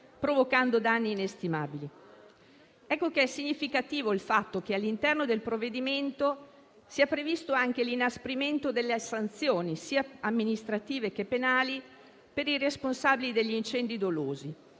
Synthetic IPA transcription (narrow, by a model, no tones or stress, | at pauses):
pɾovokand̪od̪anːiːnest̪ima̰ːbili | ɛkːokeɛsiɲːifikat̪iːvoilfat̪ːokealːint̪ɛrnod̪elpɾovːed̪iment̪o | siːapɾevist̪oaŋk̟elinaspɾiment̪od̪elːesant̪sjoːnisiːaamːinist̪ɾat̪iːvekepːenaːli | peɾiresponsaːbilid̪eʎːiːnt͡ʃɛnd̪id̪oloːzi